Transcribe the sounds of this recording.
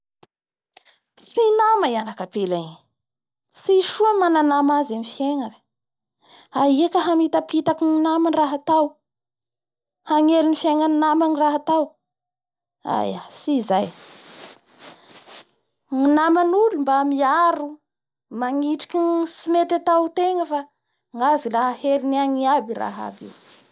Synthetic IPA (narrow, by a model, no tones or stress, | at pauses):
sinamaianakapelai | siʃuamananamazamifjeŋak | aiakəɦamit̪apit̪akiŋinamanraɦat̪aw | haŋelinifjeŋaninamaniraɦat̪aw | a̰jasizaj | ŋinamanulumbaamiaɾu | maŋiʈ͡ʂi̥kinsimet̪at̪awt̪eŋəfa | ŋɡazilaɦaheliniaŋiabira̰ɦa̰bḭw